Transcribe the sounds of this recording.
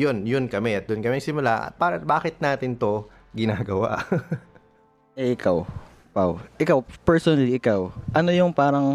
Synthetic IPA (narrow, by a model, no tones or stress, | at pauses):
jonjʊnkɐmɛʔɐt̪̚d̪ʊnkɐmɛŋsɪmʊlaʔɐ̰paːɾɐbaːkɪt̪̚naːt̪ɪnt̪o̞ | ɡɪnaːɡɐwa̰ʔ | ɛʔɪkʰaw | pawʔɪkawpɛɹsonɐliʔɪkawʔɐnojʊŋpaːɾɐŋ